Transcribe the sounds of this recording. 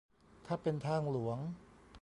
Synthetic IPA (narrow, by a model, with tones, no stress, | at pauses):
t̪ʰaː˥˩pe˧nt̪ʰaː˧˥˩ŋlu˩˦əŋ